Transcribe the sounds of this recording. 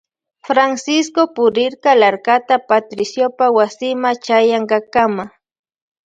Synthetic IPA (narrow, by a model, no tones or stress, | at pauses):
fɾansɪskopʊɾɪɾkalaɾkat̪apat̪ɾɪsjopawasɪmat͡ʃajaŋɢɑkama